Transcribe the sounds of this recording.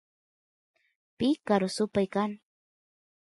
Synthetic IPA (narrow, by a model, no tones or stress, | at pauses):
pɪkaɾʊsʊpajkaŋ